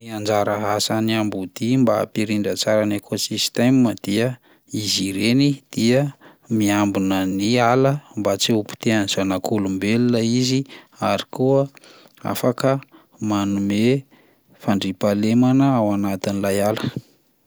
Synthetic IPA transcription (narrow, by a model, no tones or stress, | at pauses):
iand͡ʒaɾəɦasaniambud̪̥imba̰ːpiɾiɳɖ͡ʐət͡saɾanekʰosist̪emiməd̪̥iə | iziɾenid̪̥iə | miambunənialəmbat͡siupi̥t̪eanizanakʰulumbelunaizi | aɾikuə | a̰fakə | manume | faɳɖ͡ʐipalemanəawanat̪inilajalə̥